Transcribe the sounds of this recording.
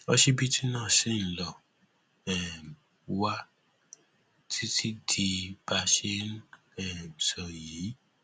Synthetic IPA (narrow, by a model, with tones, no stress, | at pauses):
ɔ˦ʃe˦bi˦ti˦nãː˦˨se˦˨n̩˨˦lɔ˨ | ɛ˨ | wa˦ | tʰi˦ti˦di˧ba˧ʃe˦n˦ | ɛ˨sɔ˨jiː˨˦